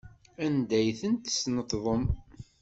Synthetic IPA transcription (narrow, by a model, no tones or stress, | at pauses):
ænd̪æjθənt̪ə̥snət̪ðˤəm